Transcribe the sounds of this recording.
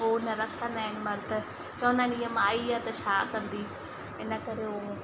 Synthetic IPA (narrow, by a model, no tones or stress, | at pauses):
ɦonɐɾɐkʰə̃nd̪aːɦɪnɪ̆mɐɾt̪ɐ | t͡ɕɐʋə̃nd̪aːnijəmaːiaːt̪ɐt͡ʃʰaːkɐ̃nd̪i | ɪnəkɐɾeɦõ